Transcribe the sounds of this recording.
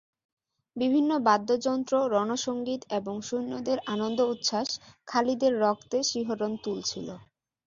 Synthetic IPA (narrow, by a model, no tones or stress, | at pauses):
bibʱinːobad̪ːod͡ʑɔnt̪ɾoɾɔnoʃoŋɡit̪eboŋʃunːod̪eɾanond̪out̪ʃaʃkʰalid̪eɾːɔkt̪eʃiɦoɾont̪ult͡ɕʰilo